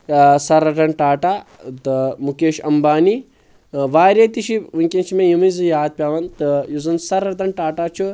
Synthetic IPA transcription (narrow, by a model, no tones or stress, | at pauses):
sɐɾɐʈɐɳʈaːʈaːt̪ɨmukeːʃɐmbaːni | ʋaːɾeːt̪iʃiuŋkʲent͡ʃʰimẽjumizɨjaːd̪̚pʲjaːʋɐnt̪ɨjuzɐnsɐɾɐt̪ɐnʈaːʈaːt͡ʃʰu